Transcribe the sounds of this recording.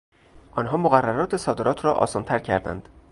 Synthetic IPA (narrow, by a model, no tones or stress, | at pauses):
ʔɒːnɦɒːmoɣærːæɾɒːt̪ʰe̞sɒːd̪e̞ɾɒːt̪ʰɾɒːʔɒ̰ːsɒːnt̪ʰæɾcʰæ̰ɾd̪æ̰nd̪̥